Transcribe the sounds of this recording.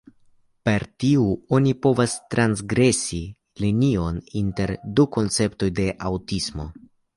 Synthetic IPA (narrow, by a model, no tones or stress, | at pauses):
pe̞ɾtiuo̞nipo̞vastɾansɡɾe̞si | linio̞ninte̞ɾduko̞nt͡se̞pto̞jde̞ʔawtismo̞̰